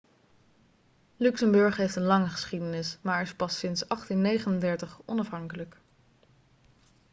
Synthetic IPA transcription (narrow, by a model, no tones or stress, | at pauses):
lʉksəmbɵɹχɦejftənlɑŋəχə̥sχidənɪsmaːɹɹɪspɑsɪnsɑχtinːejχənəndɛɹtəχɔnɑfɦɑŋkələk